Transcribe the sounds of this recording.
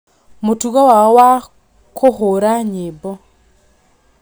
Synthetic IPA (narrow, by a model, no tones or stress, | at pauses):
motuɣawaɔwa | kʰohoɾaɲebɔ